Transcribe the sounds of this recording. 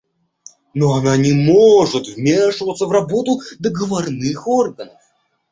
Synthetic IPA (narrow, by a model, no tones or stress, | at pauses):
nɔananʲimɔʐut̪vmʲeʂɨvət̪səvrabɔt̪ʊd̪əɡəvarnɨxɔrɣənəf